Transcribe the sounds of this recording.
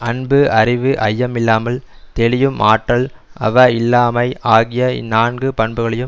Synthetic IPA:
ɐnbɯɐrɪʋɯʔɐjːɐmɪlːaːmɐl | t̪ɛɭɪjɯmaːʈːɐɭɐ̰ʋɐɪlːaːmɐɪʔaːɣɪjɐ̰naːnɡɯpɐɳbɯɣɐɭɐjɯ

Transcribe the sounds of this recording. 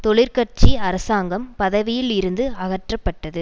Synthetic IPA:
t̪ɔɭɪɾkɐrt͡ʃiɐɾɐsaːŋɡɐmpɐðɐʋɪjɪlɪɾɯnd̪ɯɐɣɐʈrɐpːɐʈːɐðɯ

